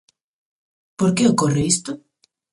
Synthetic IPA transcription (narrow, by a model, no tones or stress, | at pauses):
poɾkeokoreist̪o